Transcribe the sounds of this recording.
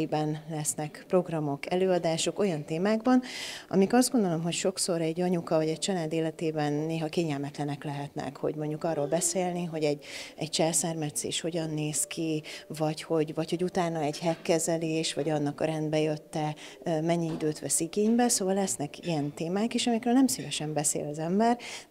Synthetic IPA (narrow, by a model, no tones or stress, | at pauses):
bɛnlɛsnɛkpro̞ɡrɒmo̞kɛløːɒd̪aːʃo̞ko̞jɒnt̪eːmaːɡbɒnʔɒ̰mikɒzdɡo̞nd̪o̞lo̞mɦo̞cʃo̞kso̞ɾɛɟːɒɲukɒvɒɟɛc̚t͡ʃɒlaːd̪eːlɛt̪eːbɛnːeːɦɒkeːɲɛlmɛt̪lɛnɛklɛɦɛt̪nɛ̰kho̞̰ɟmo̞ɲɟukɒːroːlbɛseːlniɦo̞ɟɛɟɛ̰c̚t͡ʃɛlsɛrmɛt̪sḛːʃho̞ɟɒnːeːskʰivɒcho̞ɟvɒcho̞ɟut̪aːnɒɛɟhɛkːɛzɛleːʃʋɒɟɒnːɒkɒɾɛnd̪bɛjøt̪ːɛ | mɛɲːiid̪øːt̪ʋɛsiɡeːɲbɛsoːvɒlːɛsnɛkijɛnt̪eːmaːkeːʃɒmikɾøːlnɛmsivɛʃɛmbɛsḛːlɒzɛmbɛr